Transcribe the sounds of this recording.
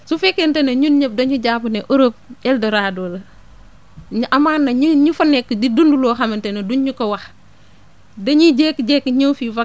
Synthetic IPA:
sufɛkːɛntɛnɐɲunɲəp̚dɐɲuɟaːpuneʔoɾop̚ɛldɐɾaːdɔːlɐ | ɲuʔɐmaːnːɐɲiɲufɐnɛkːdidundulɔːxɐmɐntɛnɐduɲɲukɐwɐx | dɐɲiɟɛːkːɟɛkːɲofivɐ

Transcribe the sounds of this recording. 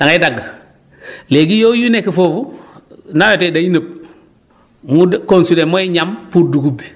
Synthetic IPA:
daŋadaɡːa | leɡijojunekifofunawotedainəb̚ | mukonsulemoiɲampuːɾduɡubi

